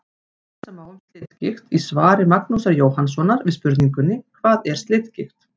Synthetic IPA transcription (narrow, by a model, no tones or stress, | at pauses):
θ | ɛsːamaːwlst̪lɪt̪cɪxt̪isvaːɾɪmaknusaɾjoːwhans̬ɔnːaɾvɪðspʏɾt̪niŋkʏnːɪkʰvaːðɛɾ̥st̪lɪːt̪cɪxt̪